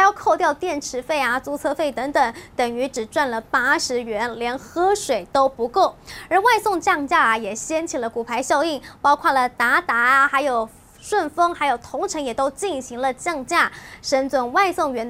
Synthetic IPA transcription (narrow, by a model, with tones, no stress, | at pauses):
jɑ˥˧ʊkʰo˥˧ʊt̪jɑ˥˧ʊt̪jɛ˥˩nʈ͡ʂʰɻ̩˧˥fe˥˩ɪa˩t͡su˧˥t͡sʰɤ˥fe˥˩ɪt̪ɤ˧˥ŋt̪ɤ˨˩˦ŋt̪ə˨˩ŋy˧˥ʈ͡ʂɻ̩˨˩ʈ͡ʂwa˥˩nlə˩pa˥ʂɻ̩˧˥ɥɛ˧˥nljɛ˧˥nxɤ˥ʂwe˨˩ɪt̪o˥ʊpu˧˥ko˥˩ʊə˞˧˥wa˥˧ɪsʊ˥˧ŋt͡ɕjɑ˥˧ŋt͡ɕja˥˩ɐ˩jɛ˨˩ɕjɛ˥nt͡ɕʰi˨˩lə˦ku˨˩pʰa˧˥ɪɕjɑ˥˧ʊi˥˩ŋpɑ˥ʊkʰwa˥˩lə˩t̪a˧˥t̪a˧˥˨xa˧˥ɪjo˨˩ʊ | ʂwə˥˩nfɤ˥ŋxa˧˥ɪjo˨˩ʊt̪ʰʊ˧˥ŋʈ͡ʂʰɤ˧˥ŋjɛ˨˩t̪o˥ʊt͡ɕi˥˩nɕi˧˥ŋlə˧t͡ɕjɑ˥˧ŋt͡ɕja˥˩ʂə˧˥nt͡swə˨˧˩nwa˥˧ɪsʊ˥˩ŋɥɛ˧˥n